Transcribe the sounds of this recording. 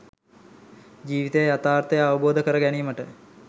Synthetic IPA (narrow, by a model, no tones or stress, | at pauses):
d͡ʒiːʋit̪əjəjat̪aːrt̪əjəaʋəboːd̪əkəɾəɡæniːməʈə